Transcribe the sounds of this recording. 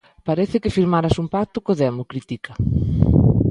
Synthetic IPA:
paɾɛθɪkɪfiɾmaɾasumpak̚t̪ʊkoðeamokɾit̪ikɐ

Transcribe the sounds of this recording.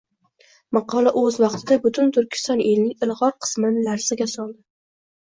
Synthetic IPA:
mɑqʰɒlˠaʔɵzvɑqt̪ʰɪd̪abʊt̪ʰʊnt̪ʰʊɾkʲɪ̥st̪ɒnelnɪŋɪlˠʁɒɾqʰɨ̥smɪnɪlaɾsɪɡʲasɒlˠd̪ɪ

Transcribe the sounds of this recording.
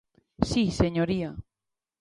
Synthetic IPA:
siseɲoɾia

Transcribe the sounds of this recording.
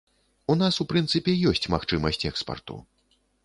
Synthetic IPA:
un̪asupɾɨnt̪sɨpʲɛjɔsʲt͡sʲmaxt͡ʂɨmɐsʲt͡sʲɛkspɐ̰rt̪ṵ

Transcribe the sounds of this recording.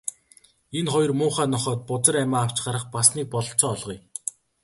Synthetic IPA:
enχɔjɞ̆rmʊːχaːnɔχɔːt̪̚pʊt͡sə̆ræmaːw̥t͡ɕɢaɾə̆χpasniːk̚pɔɮɞ̆ɬt͡sɔːɮʁɞ̆j

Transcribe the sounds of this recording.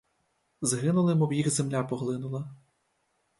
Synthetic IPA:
zɦɪnʊlˠɪmɔwjixzemlʲapɔɦlˠɪnʊlˠɐ

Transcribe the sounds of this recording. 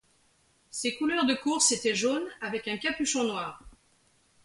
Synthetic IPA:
sekulœʁd̪əkuʁset̪ɛʒonavɛkɛ̃kapyʃɔ̃nwaːʁ

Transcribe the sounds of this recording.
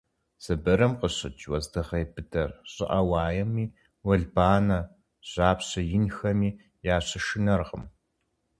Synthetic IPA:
z̥ɨbɐɾɐmqəɕɪt͡ʃwɐzdɨʁejbɨdʰɐrɕʼɪ̰ʔɐwaːjɛmiː | wɐɮbaːnɐ | ɕaːpɕɐjɪnxɐmiː | jaːɕɐʃɪnɐrqə̰m

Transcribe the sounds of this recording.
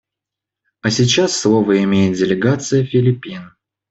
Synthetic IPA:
ɐsʲɪt͡ɕasːlˠovəɪmʲejɪt̪̚dʲɪlʲɪɡat̪sɨjəfʲɪlʲɪpʲin

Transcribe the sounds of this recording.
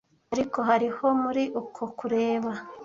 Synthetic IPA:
aɾiko̞ɦaɾiho̞muɾiʔukʰokuɾeːβa

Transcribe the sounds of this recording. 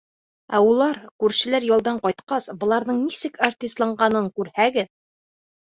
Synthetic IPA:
æulˠɑɾkʉɾʃɘ̆læɾjɒlˠd̪ɑɴqɒjt̪qɑsbɤ̆lˠɑɾðɤɴnisɘkart̪ʲist̪lˠɑɴɢɑnɤŋkʉɾhæɡɘð

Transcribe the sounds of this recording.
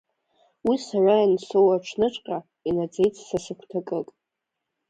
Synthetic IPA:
wisarainsowaʈ͡ʂʰnɨʈ͡ʂʼqʲʼa | inad͡ze̞jt͡sʼʰsasɨkʷʰtʰakʼɨkʼ

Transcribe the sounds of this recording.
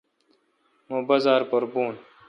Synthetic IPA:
mõːbɐzaːɾpoɾbuːn

